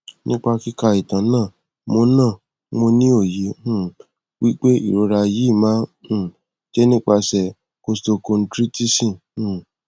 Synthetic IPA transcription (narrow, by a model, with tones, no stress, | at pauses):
nʔĩ˦k͡pa˧ki˦ka˧i˨tã˨˦nãː˦˨ | mo˧nãː˦˨ | mo˧nĩ˦o˦˨je˨˦ũ˦ | wi˦k͡pe˦ḭ˦˨ɾo˨˧˦ɾa˧ji˨˦˨mãː˦hũ˦˨ | d͡ʒɛ˦nĩ˦k͡pa˧sɛ˧ | ko˧sto˧ko˧n̩˦tɾi˦ti˦sĩ˦˨ | ũ˦˨